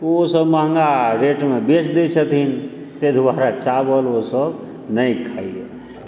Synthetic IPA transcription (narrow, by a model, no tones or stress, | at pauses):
osəbməɦŋɡaɾeʈmebet͡ʃd̪it͡ʃʰət̪in | t̪ed̪ʱʋaɾat͡ʃabəlosəb | nəjkʰaio̰